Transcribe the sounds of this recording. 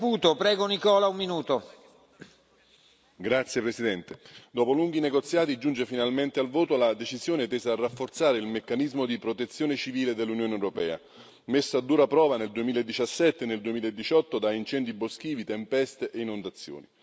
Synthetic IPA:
puːt̪opɾɛːɡonikɔːlaummːinuːt̪o | ɡɾat̪sːjepɾesid̪ɛnt̪ed̪oːpoluŋɡ̟ineɡot̪sːjaːt̪id͡ʒund͡ʒefinalment̪ealvoːt̪olad̪et͡ʃizjoːnet̪eːzarːafːort̪saːɾeilmekːanizmod̪ipɾot̪et̪sːjoːnet͡ʃiviːled̪elːunjoːnewɾopɛ̰ːa̰ | mesːoad̪ːuːɾapɾɔːvaneld̪uemiːlaed̪ːit͡ʃasːɛt̪ːeneld̪uemiːlaed̪ːit͡ʃɔt̪ːod̪aint͡ʃɛnd̪ibosk̟iːvit̪empɛst̪eʔeinond̪at̪sːjo̰ːni

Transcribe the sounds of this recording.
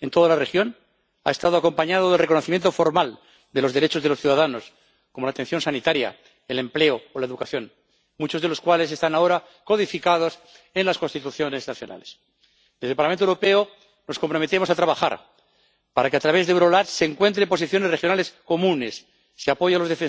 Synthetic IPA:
ent̪o̞ðalarexjo̞n | a̰est̪að̞oako̞mpaɲað̞oðelrekonoθimje̞nt̪ofo̞ɾmal | d̪e̞lo̞zðeɾet͡ʃozðe̞lo̞sθjuðaðano̞s | komo̞lat̪ẽn̟θjo̞nsanit̪aɾja̰ | ele̞mple̞oːlaeðukaθjo̞n | mut͡ʃo̞zð̞e̞lo̞skwale̞s̬e̞st̪anao̞ɾa | ko̞ðifikað̞o̞s | enlasko̞nst̪it̪uθjo̞ne̞znaθjo̞̰na̰les | d̪ezðepaɾlamẽnt̪owɾope̞o | no̞sko̞mpɾo̞met̪emosat̪ɾaβaxa̰ɾ | paɾakeat̪ɾaβ̞e̞zðeβɾolat̪seŋkwe̞nt̪ɾepo̞siθjo̞nerexjo̞nale̞sko̞mũnesː | eapo̞ʝalo̞zðefe

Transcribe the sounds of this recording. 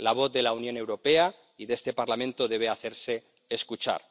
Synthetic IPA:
laβ̞o̞θðe̞launjõ̞ne̞wɾo̞pe̞a | iðest̪e̞paɾlamẽnt̪o̞ðe̞β̞e̞aθe̞ɾse̞ː | skut͡ʃa̰ɾ

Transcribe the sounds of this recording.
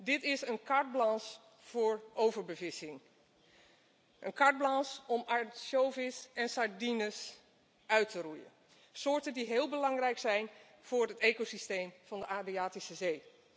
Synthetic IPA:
dɪtɪsənkɑɹd̚blɑns | fʊːɹʔowvəɹbəvɪsɪŋ | ʔənkɑɹd̚blɑnsɔmaʃowvɪsɛnsɑɹdinəs | ʔœɥtərujə̰n | sʊːɹtəndiɦeːlˠbəlɑŋrɛjksɛjn | v̥ʊːɹətejkosistejmv̥ɑndəʔaːdriaːtisəzej

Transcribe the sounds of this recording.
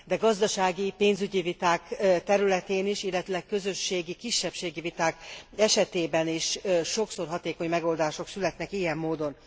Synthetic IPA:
d̪ɛɡɒzd̪ɒʃaːɡipeːnzyɟivit̪aːkt̪ɛɾylɛt̪eːniʃilːɛt̪ylɛkkø̞zø̞ʃːeːɡikiʃːɛpʃeːɡivit̪aːkɛʃɛt̪eːbɛniʃːo̞kso̞rɦɒt̪eːko̞ɲmɛɡo̞ld̪aːʃo̞ksylɛt̪nɛkijɛmːoːd̪o̞n

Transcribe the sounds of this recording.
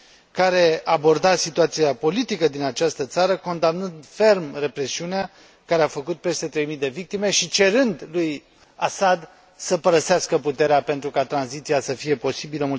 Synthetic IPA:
kaɾe̞abo̞rd̪asit̪uat̪siapo̞lit̪ikəd̪inat͡ʃast̪ət̪saɾəko̞nd̪amnɨnd̪fe̞rmre̞pɾe̞siunea | kaɾeafəkut̪̚pe̞st̪e̞t̪ɾe̞jmid̪e̞vik̚t̪ime̞ʃit͡ʃe̞ɾɨnd̪luj | asad̪ | səpəɾəseaskəput̪e̞ɾeape̞nt̪ɾukat̪ɾanzit̪sijasəfije̞po̞sibiləmul

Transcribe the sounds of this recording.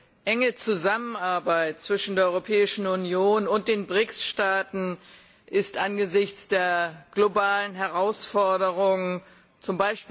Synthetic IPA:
ʔɛŋət͡suzamənaɐbaɪt̚t͡sv̥ɪʃn̩deːɐɔʁopʰɛːɪʃn̩unjoːnʊnt̚d̥eːnbʁɪksʃtaːtn̩ | ʔɪstʔanɡəzɪçt͡sd̥eːɐɡ̥lobaːlənɦɛʁaʊsfɔɐdəʁʊŋən | t͡sʊmbaɪʃpː

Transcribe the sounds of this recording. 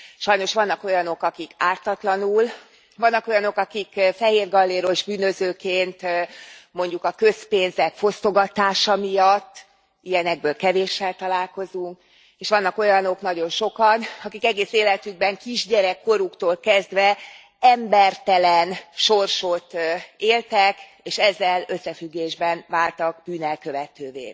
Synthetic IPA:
ʃɒjno̞ʃʋɒnːɒko̞jɒno̞kɒkikaːrt̪ɒt̪lɒnul | ʋɒnːɒko̞jɒno̞kɒkikfɛɦeːrɡɒlːeːɾo̞ʒbyːnøzøːkeːnt̪ | mo̞ɲɟukɒkø̞speːnzɛkfo̞st̪o̞ɡɒt̪aːʃɒmijɒt̪ː | ijɛnɛɡ̚bøːlkɛveːʃːɛlt̪ɒlaːlko̞zuŋk | eːʃʋɒn̪ːɒko̞jɒno̞knɒɟo̞nʃo̞kɒnɒkikɛɡeːseːlɛt̪yɡ̚bɛŋkiʒɟɛɾɛkːo̞ɾukt̪oːlkɛzd̪ʋɛ | ɛmbɛrt̪ɛlɛnʃo̞rʃo̞t̪eːlt̪ɛk | eːʃɛzːɛlø̞sːɛfyɡːeːʒbɛnvaːlt̪ɒɡb̥yːnɛlkø̞vɛt̪øːvḛː

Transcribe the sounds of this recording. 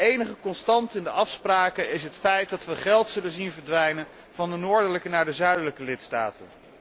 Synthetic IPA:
ejnəχəkɔnstɑntɪndəʔɑfspraːkəɪsɦətfɛjt̚dɑtʋəχɛlˠtsɵlənzinvəɹdʋɛjnən | v̥ɑndənʊːɹdələkənaːɹdəzœɥdələkəlɪtsta̰ːtə̰n

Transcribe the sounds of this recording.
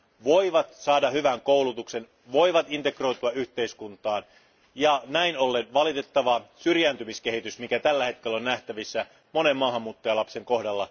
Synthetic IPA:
ʋo̞iʋɑt̪sɑːdɑhyʋæŋkoulut̪ukse̞n | ʋo̞iʋɑt̪int̪e̞kro̞ijt̪uɑʔyht̪e̞iskunt̪ɑːn | jɑnæinolːenʋɑlit̪et̪ːɑʋɑsyrjænt̪ymiskehit̪ysmikæt̪ælːæhe̞t̪̚kelːonːnæht̪æʋisːæ | mo̞ne̞mmɑːɦɑmːuːt̪ːɑjɑlɑpse̞ŋko̞hdɑlːɑ

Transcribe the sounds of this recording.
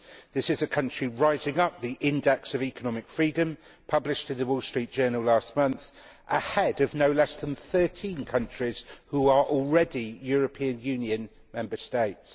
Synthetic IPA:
ðɪsɪzəkʰʌ̃nt͡ʃɹ̥iɹaɪzɪ̃ŋʌp̚ðiʔɪ̃ndɛksəviˑkənɒmɪkfɹiːdə̃m | pʰʌblɪʃtɪ̃nðəwɔlˠstɹ̥iˑt̚d̥ʒ̥ɜːnəl̩ˠlɑˑstmʌ̃nθʔəhɛdəvnəʊlɛsðə̃nθɜˑtʰĩnkʰʌ̃nt͡ʃɹ̥iz̥huəɹʔɔlˠɹɛdijɔːɹəpʰĩə̃njʉ̃ːnjə̃n | mɛ̃mbəsteɪts

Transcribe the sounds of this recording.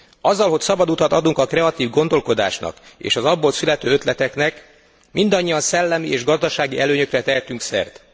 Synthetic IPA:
ɒzːɒlɦo̞csɒbɒd̪ut̪ɒt̪ɒd̪uŋkɒkrɛɒt̪iːvɡo̞nd̪o̞lko̞d̪a̰ːʃnɒ̰kḛːʃɒzɒbːo̞lsylɛt̪øːøt̪lɛt̪ɛknɛk | mind̪ɒɲːiɒnsɛlːɛmieːʒɡɒzd̪ɒʃaːɡiʔɛløːɲø̞krɛt̪ɛɦɛt̪yŋksɛ̰rt̪

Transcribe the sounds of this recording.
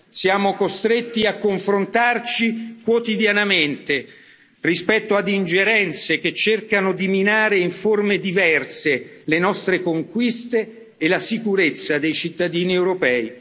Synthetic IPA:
sjaːmokost̪ɾet̪ːiakːoɱfɾont̪art͡ʃikwot̪id̪janament̪e | rispɛt̪ːoad̪ind͡ʒeɾɛnt̪sek̟et͡ʃːerkanod̪iminaːɾeiɱformed̪ivɛrselenɔst̪ɾekoŋkwist̪eː | lasikuɾet̪sːad̪ejt͡ʃit̪ːad̪iːniɛwɾopɛːi

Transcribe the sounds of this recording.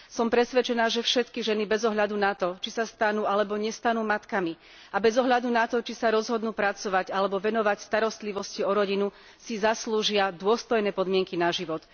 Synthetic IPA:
sɔmpɾɛsʋɛt͡ʃɛnaːʒɛfʃɛt̪kiʒɛnibɛzɔɦʎad̪unat̪ɔt͡ʃisast̪anuːalɛbɔɲɛst̪anuːmat̪kami | abɛzɔɦʎad̪unat̪ɔt͡ʃisaɾɔzɦɔd̪nuːpɾat͡sɔʋaɟalɛbɔʋɛnɔʋacst̪aɾɔst̪liʋɔsciɔɾɔɟinu | sizasluːʒɪad̪ʊɔst̪ɔjnɛːpɔd̪mɪɛŋkinaʒiʋɔt̪

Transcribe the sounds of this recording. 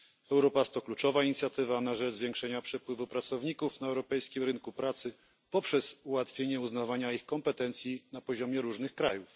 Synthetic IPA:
ɛwɾɔpast̪ɔklut͡ʂɔvaiɲit̪sʲjat̪ɘvanaʐɛʐzvʲjɛ̃ŋkʂɛɲapʂɛpwɘvupɾat̪sɔvɲikufnaɛwɾɔpɛjskʲimɾɘnkupɾat̪sɘ | pɔpʂɛzuwat̪fʲjeɲɛuznavaɲaixkɔmpɛt̪ɛnt̪sʲjinapɔʑɔmʲjɛɾuʐnɘxkɾa̰juf

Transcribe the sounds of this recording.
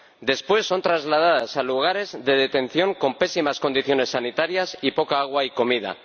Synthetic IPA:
d̪espwe̞sːo̞nt̪ɾazlaðaðasaluɣ̞aɾe̞zðe̞ð̞e̞t̪e̞n̟θjo̞ŋko̞mpe̞simasko̞nd̪iθjo̞ne̞sːanit̪aɾjasipo̞kaaɣ̞waiko̞mið̞a̰

